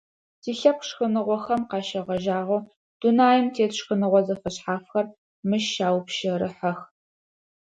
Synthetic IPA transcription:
tʰiːɬɐp̚ʂxənɨʁʷɔxɐmqɑːʃɐʁɐʒaːʁoː | d̥unaːjɪmtʰeːtɕxənɨʁʷɔzɐfɐɕħaːfxɐr | mɨʃaːwpʃɐɾɨħɐx

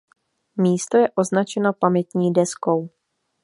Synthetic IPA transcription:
miːst̪o̞jɛʔo̞znat͡ʃɛno̞pamɛt̪ɲiːdɛsko̞w

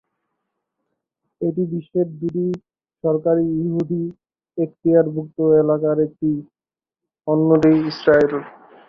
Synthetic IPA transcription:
eʈibiʃːeɾ̚d̪uʈi | ʃɔɾkaɾijuɦud̪i | ekt̪iaɾbʱuk̚t̪oelakaɾek̚ʈi | ɔnːoɖejisɾael

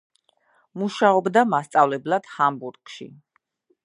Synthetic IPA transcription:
muʃaɔbd̪amast̪sʼavlɛblˠad̪̥hambuɾkʼʃḭ

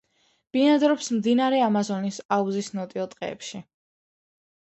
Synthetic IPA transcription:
b̥inad̪ɾɔpsmd̪inaɾɛamazɔnisauzisnɔt̪ʼiɔt̪ʼqʼɛ̰ːpʃi

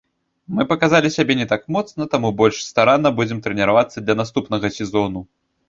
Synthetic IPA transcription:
mɨpɐkazalʲisʲabʲɛnʲɛt̪akmɔt̪snɐt̪amubɔlʲʂst̪aɾanːɐbud͡zʲɛmt̪ɾɛnʲɛɾavat̪sːɐd̪lʲɐnast̪upn̪ɐɣɐsʲɛzɔnu

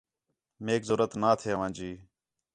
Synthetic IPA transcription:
meːkzoːɾət̪naːt̪ʰeːəʋãːd͡ʒiː

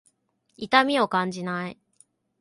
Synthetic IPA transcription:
it̪amʲio̞kãɲ̟d͡ʑinai

